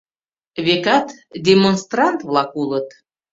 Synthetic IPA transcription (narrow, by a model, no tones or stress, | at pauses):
βekɑt̪d̪ʲemonst̪rɑnt̪vlˠɑkulət̪